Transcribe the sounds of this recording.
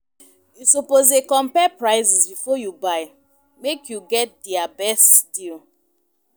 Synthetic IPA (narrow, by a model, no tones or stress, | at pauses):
jusɔpozekɔ̃mpɛpɹaɪzisbifɔjubaɪ | mekʰjuɡɛt̚diabɛstdil